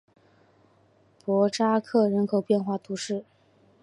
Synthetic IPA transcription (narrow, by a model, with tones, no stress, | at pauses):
pwɔ˧˥ʈ͡ʂa˥kʰɤ˥˩ɻə˧˥nkʰo˨˩ʊpjɛ˥˧nxwa˥˩t̪ʰu˧˥ʂɻ̩˥˩